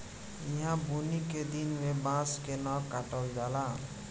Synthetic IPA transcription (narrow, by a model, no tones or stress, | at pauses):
ĩɦãbuniked̪inmebãskenɔkaʈɔld͡ʒala